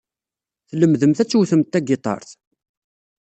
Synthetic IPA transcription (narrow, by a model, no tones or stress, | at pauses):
θləmðəmθæt͡sːuθəmt̪ːæɡɪt̪ˤɑ̰ɾˤθ